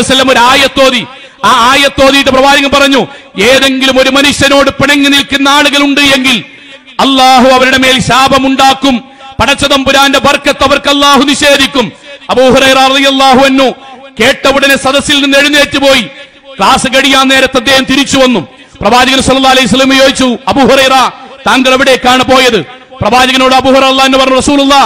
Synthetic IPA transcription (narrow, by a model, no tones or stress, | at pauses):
sɐlːɐmo̞ɾuaːjɐt̪ːo̞ːði | aaːjɐt̪ːo̞ːðijʈːɨprɐʋaːd͡ʑɐɣɐmpɐrɐɲːu | e̞ːðe̞ŋɡilumo̞ɾumɐnuɕjɐno̞ːɽɨpiɳɐŋːɐnilkɨnːɐaːɭuɣɐluɳɖɨe̞ŋɡil | ɐlːaːɦuɐʋɐɾuɽe̞me̞ːlɕaːbʱɐmuɳɖaːkːum | pɐɽɐt͡ɕːɐðɐmbuɾaːndebɐrkːɐt̪ːɐʋɐrkɐlˠːaːɦuniɕe̞ːd̪ikʲːumɐbuːɦuɾɐjɾɐrɐðijɐlːaːɦuɐnːuːke̞ːʈːɐʋuɽɐnesɐd̪ɐsːilninːeɽinːe̞ːʈːupo̞ːji | kɭaːsɨkɐɽijaːnːe̞ːɾɐt̪ːɐd̪ːje̞ːhɐmt̪iɾit͡ɕːuʋɐnːum | prɐbaːd͡ʑɐɣɐnsɐlːɐlːaːɐlɐjus̬ɐlːɐmujoːɡit͡ɕːuɐbuːhuɾɐjɾɐt̪aːŋɡɐɭeʋiɽekːaːɳɨpo̞ːjɐðɨ | prɐbaːd͡ʑɐɣɐno̞ːɽɨɐbuːhuɾɐɾɐlːaːɐnːupɐrɐɲnːurɐsuːlulːa